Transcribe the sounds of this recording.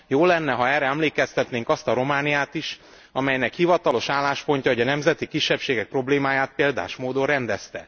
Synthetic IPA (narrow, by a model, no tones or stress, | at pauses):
joːlɛnːɛɦɒɛːrɛɛmleːkɛst̪ɛt̪neːŋkɒst̪ɒɾo̞maːnijaːt̪iʃ | ɒmɛjnɛkhivɒt̪ɒlo̞ʃaːlːaːʃpo̞ɲcɒɦoɟɒnɛmzɛt̪ikiʃːɛpʃeːɡɛk̚pro̞bleːmaːjaːt̪̚peːld̪a̰ːʃmoːd̪oɾɛnd̪ɛst̪ɛ